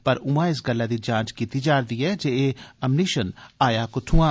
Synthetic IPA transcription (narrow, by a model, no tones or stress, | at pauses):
pɐɾʊmãɪs̬ɡɐlːad̪id͡ʒãːt͡ʃkit̪id͡ʒaːɾd̪iɛd͡ʒeeɐmniʃənaːjakʊt̪ʰũã